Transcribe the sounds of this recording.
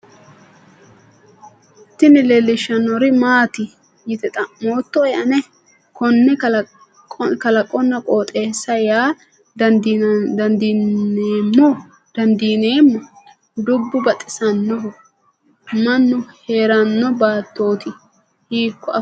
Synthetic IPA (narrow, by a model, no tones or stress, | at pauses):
t̪ːɪnɪlelːɪʃːɐnːɔɾɪmaːt̪ɪ | jɪt̪ɛt̪ʼɐmoːt̪ːɔɛʔɐnɛ | kɔnːɛ | kɐlɐkʼːɔnːɐkʼoːt̪ʼe̞ːsːɐjaː | d̪ɐnd̪ieːmːɔ | d̪̥ɐnd̪iːneːmːɔ | d̪ʊbːʊbɐt̪ʼɪsɐnːɔ | mɐnːʊhe̞ːɾɐnːɔbaːt̪ːo̞ːt̪ɪ | hiːkːɔɐ